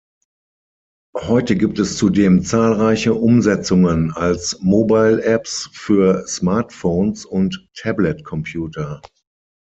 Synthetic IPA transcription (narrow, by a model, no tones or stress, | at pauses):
hɔʏtəɡiːp̚tɛst͡sudeːmt͡saːlʁaɪçəʔʊmzɛt͡sʊŋənalsmoːbaɪlʔɛpsfyːɐsmaɐtfoːnsʊntʰːɛblɛtkʰɔmpʰjuːtʰɐ